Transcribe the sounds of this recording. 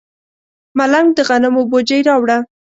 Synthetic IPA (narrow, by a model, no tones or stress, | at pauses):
malaŋɡ̚d̪əɣanɪmobod͡ʒəjɾɑwɽa